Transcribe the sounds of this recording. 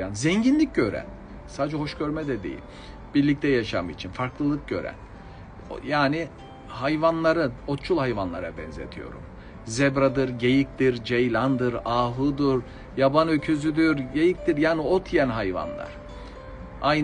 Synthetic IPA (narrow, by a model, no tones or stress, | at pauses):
anzɛɲɟinlʲic̚ɟø̞ɾæ̰n | saːd͡ʒɛɦo̞ʃɟø̞ɾmɛd̪ɛd̪ḛjḭlʲ | biɾlʲic̚t̪ʰɛjaʃamɯit͡ʃʰinfaɾklˠɯlˠɯk̚ɟø̞̰ɾæ̰n | jaːni | hajvanlˠaɾɯno̞t̪t͡ʃʰulˠhajvanlˠaɾabɛ̰nzḛt̪ʰijo̞̰ɾṵm | zɛbɾad̪ɯɾɟejic̚t̪iɾd͡ʒejlʲand̪ɯɾaːɦɯd̪uɾ | jabanøcʰyzyd̪yɾɟejic̚t̪iɾjaːnio̞t̪ʰjɛnɦajva̰nlˠa̰ɾ̥ | ajn